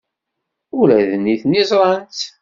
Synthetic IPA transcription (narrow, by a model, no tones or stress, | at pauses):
ʊɾæðənːiθnizˤɾˤɑnt̪